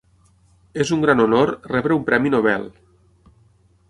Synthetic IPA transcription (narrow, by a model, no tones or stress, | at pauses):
ezuŋɡɾanonoɾrɛβɾeumpɾɛminoβ̞ɛ̰lˠ